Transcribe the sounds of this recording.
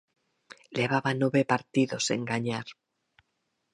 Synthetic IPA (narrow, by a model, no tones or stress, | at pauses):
leβ̞aβanoβepaɾt̪iðo̞sḛŋɡaɲaɾ